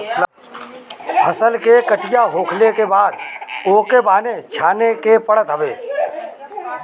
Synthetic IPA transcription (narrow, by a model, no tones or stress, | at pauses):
l | əsəlkekəʈɪjaɦoːkʰlekebaːd̪oːkebaːnet͡ʃʰaːnekepəɽət̪ɦəbeː